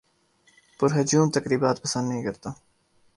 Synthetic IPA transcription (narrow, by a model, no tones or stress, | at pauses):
pʊɾɦɐd͡ʒuːmt̪ɐkɾiːbaːt̪̚pɐsənd̪nɐɦĩːkɐɾt̪aː